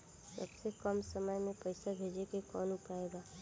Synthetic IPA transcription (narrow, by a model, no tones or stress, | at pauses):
sə̰bsekəmsəməjmẽpəɪsabʱeːd͡ʒekekɔ̰ːnʊpaːeɡaː